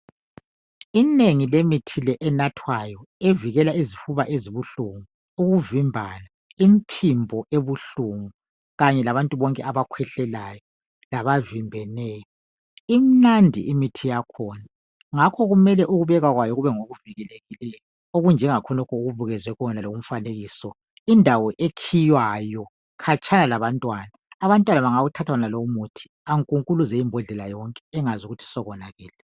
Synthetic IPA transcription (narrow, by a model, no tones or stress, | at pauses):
ineŋilemitʰilɛʔɛnatʰwajɔeviɣɛlaizifuβaʔeziβuɬuŋuu | uɣuvimbʱana | impʰimbʱɔʔeβuɬuŋu | ɣaɲɛlaβantʼuβɔŋkʼɛ̰ʔaβakʰwɛɬɛlajɔ | laβavimbʱɛnɛːjɔ | im̩nandʱḭʔimitʰijakʰɔːna | ŋakʰɔɣumɛlɛʔuɣuβɛɣaɣwajɔɣuβɛŋoɣuviɣɛleɣilɛ | oɣund͡ʒʱɛŋakʰɔnɔkʰɔuɣuβuɣɛzwɛɣɔnaloum̩faneɣiːsɔ | indʱawɔʔekʰijwajɔ | kʰat͡ʃʰʼanalaβantʼwaːnaːβantʼwanaβaŋaɣutʰatʰanalomutʰi̥ | aŋkʼuŋkʼuluzɛimbʱɔɮɛlajɔŋkʼɛ̥ːŋazuɣutʰi̥sɔɣɔnaɣɛːlɛ